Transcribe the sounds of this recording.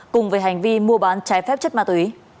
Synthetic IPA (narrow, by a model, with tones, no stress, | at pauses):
kʊ˨˩ŋ͡mvəː˨˦jɦa˨˩jŋ̟vi˧mu˧əɓaː˨˦nt͡ɕaː˨˦jfɛ˦˥p̚t͡ɕə˦˥t̚maː˧˩t̪wi˨˦